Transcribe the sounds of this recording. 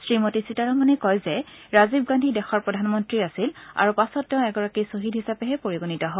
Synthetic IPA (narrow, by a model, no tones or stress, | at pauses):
sɹimotisitaɹɔmanɛkɔjzɛ | ɹazib̚ɡandʱidɛxɔɹpɹɔdʱanmɔntɹiasila̰ɹupasɔtːɛʊ̃ɛɡɔɹakisoɦidʱɦisapɛɦɛpoɹiɡonitɔɦɔ